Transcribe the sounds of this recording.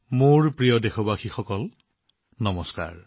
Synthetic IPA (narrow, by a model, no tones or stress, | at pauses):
moɹpɹijɔdexɔbaxixɔkɔl | nɔmɔska̰ɹ